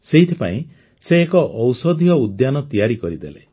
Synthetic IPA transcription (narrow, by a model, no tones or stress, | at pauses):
seɦit̪ʰi̥pa̰ĩ | seːkɔʔɔwsɔd̪ʱijɔud̪janɔt̪ijaɾikɔɾid̪ḛlḛ